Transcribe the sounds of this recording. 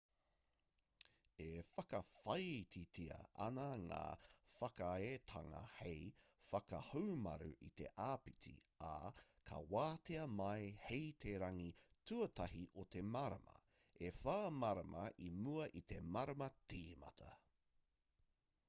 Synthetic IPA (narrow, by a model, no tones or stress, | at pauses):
efɐkɐfɐjtʰitʰiɐ̰ʔɐnɐŋa̰ːfɐkaet̪ʰɐŋɐ̰hejfɐkɐ̰homɐ̰ɾṵʔit̪e̞̰ʔaːpitḭa̰kʰɐ̰waːteɐmɐjhejt̪ʰeɾɐŋitʰuɐt̪ʰɐɦiʔot̪ʰe̞maɾɐmɐ̰ | efaːmɐɾɐmʔɐʔimuɐʔit̪ʰe̞maɾɐmɐtiːmɐ̰t̪ʰɐ